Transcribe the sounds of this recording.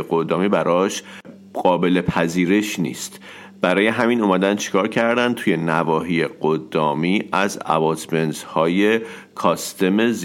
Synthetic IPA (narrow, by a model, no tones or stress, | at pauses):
ɡod̪ɒːmiːbæɾʔɒːʃ | ɢ̥ɒːbe̞le̞pʰæziːɾe̞ʃnḭːst̪ | b̥æɾɒːje̞ɦæmiːnuːmæd̪ænt͡ʃʰi̥kʰɒːɾcʰæɾd̪ænt̪ʰuːje̞nævɒːɦiːjeɢ̥od̪ːɒːmiːæzæ̰bɒt̪ʰment̪hɒːje | kʰɒːst̪e̞mez